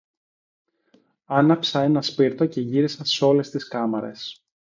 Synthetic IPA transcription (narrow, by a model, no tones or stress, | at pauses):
ɐnɐpsɐe̞nɐspiɾt̪o̞ce̞ʝiɾisɐso̞le̞st̪iskɐmɐɾe̞̰s